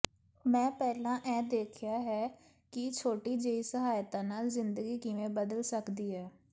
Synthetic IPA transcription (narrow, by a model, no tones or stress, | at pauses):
mɛ̃ːpɛːlãːʔɛ̃ːd̪eːkʰɪjaːɦɛː | kɪt͡ʃʰoːʈiːd͡ʒeːiːsəɦaːjt̪ãːnaːlzɪnd̪əɡiːkɪʋẽːbəd̪əlsəkd̪iːɦɛː